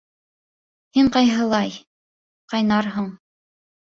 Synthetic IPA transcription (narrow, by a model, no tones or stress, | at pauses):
hiɴqɑjɦɤ̆lˠɑj | qɑjnɑɾɦŏɴ